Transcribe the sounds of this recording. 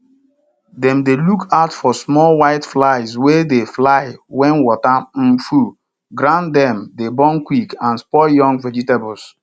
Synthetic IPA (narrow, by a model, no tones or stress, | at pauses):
dɛ̃mdelukʰaʊtfɔsmɔlwaɪtflaɪswedeflaɪwɛ̃nwɔtam̩fu | ɡɾãndɛ̃mdebɔ̃nkwikãnspɔjɔ̃ŋɡvɛd͡ʒitebɔs